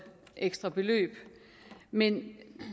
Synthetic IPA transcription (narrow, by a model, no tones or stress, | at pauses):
ʔeɡ̥sd̥ʁɐb̥e̝lø̰ːb̥ | men